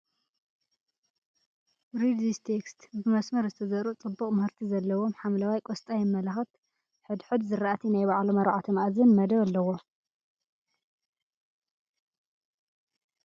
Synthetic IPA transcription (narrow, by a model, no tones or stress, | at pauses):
ɾid̪ist̪ʰekst̪bɨmɐsmɐɾzɨt̪ʰɐzɐɾut͡sʼɨbːukʼmɨhɨɾt̪ʰizɐlːɐwo̞mħamlawajkʷʼost̪ʼajɪmːɐlaxɐt̪ | ħɨd̪ħɨd̪zɨɾaʔat̪ʰinajβaʕlumɐɾʕat̪ʰɐmaʔazɨnmɐd̪ɐβalːɐwo